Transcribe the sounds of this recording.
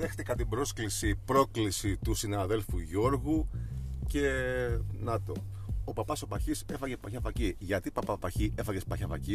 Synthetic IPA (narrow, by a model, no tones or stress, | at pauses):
ðext̪ikɐt̪ibɾo̞sklisipɾo̞klisit̪usinɐðe̞lfuʝo̞ɾɣuce̞ | nɐt̪o̞̰ | opɐpɐso̞pɐçise̞fɐʝepɐçɐvɐciʝɐt̪ipɐpɐpɐçiʔe̞fɐʝespɐçɐfɐ̰ci